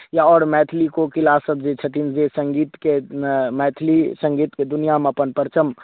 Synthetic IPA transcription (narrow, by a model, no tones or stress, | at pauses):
jaɔːɾmɛːt̪ʰlikokɪlasəbd͡ʒet͡ʃʰɐt̪inzesə̃ŋɡiːt̪kemɛːt̪ʰlisə̃ŋɡiːt̪ked̪ʊnijamẽɐpənpəɾt͡ʃəm